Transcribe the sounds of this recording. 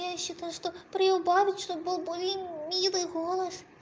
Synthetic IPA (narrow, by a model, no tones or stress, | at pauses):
aɕɨt̪aʂt̪ɔpɾɐjɔwbavʲit͡sʲʂt̪ɔbɨlˠbɨvʲemʲmʲilˠɨɣɔlˠɐs